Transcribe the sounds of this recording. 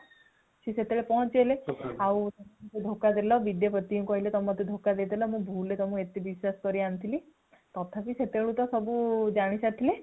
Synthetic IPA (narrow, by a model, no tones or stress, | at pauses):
ʃiset̪eɭepɔɦɔ̃t͡ʃeleaw̃t̪ɔmmɔt̪ʰed̪ʱokad̪elɔbid̪jɔpɔt̪ːiũkɔɦilet̪ɔmmɔt̪ʰed̪ʱokad̪ed̪elɔmũbʱulet̪ɔmũet̪ibiswaskɔɾiant̪ʰili | t̪ɔt̪ʰapiset̪eɭũt̪ɔsɔbud͡ʒaɽ̃isat̪ʰile